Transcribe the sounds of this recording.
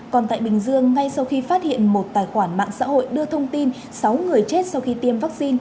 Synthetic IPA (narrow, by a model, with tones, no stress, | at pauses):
kɔ˨˩nt̪a̰ː˧˨jɓï˨˩ŋ̟zɨ˧əŋːa˧jsa˧wxi˧faː˦˥t̚hḭ˧˨ənmo˨˩t̚t̪aː˨˩jxwaː˧˩nma̰ː˧˨ŋsa̰ː˧˥ho̰˧˨jɗɨ˧ət̪ʰə˧wŋ͡mt̪i˧n | sa˨˦wŋɨ˨˩əjt͡ɕe˦˥t̚sa˧wxi˧t̪i˧əmvaː˦˥k̚si˧n